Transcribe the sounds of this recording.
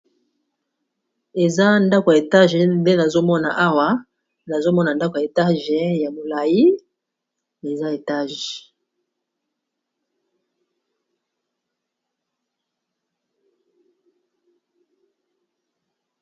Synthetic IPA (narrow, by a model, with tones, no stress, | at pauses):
e˨za˦nda˦ko˨ja˨e˨ta˦ʒɛ˨˦mbe˦na˨zo˦mɔ˦na̰˨ʔa˦wa˦ | na˨zo˦mɔ˦na˨nda˦ko˨ja˨e˨ta˦ʒɛ˦ja˨mo˨la˨ji˦ | e˨za˦e˨ta˦ʒe˨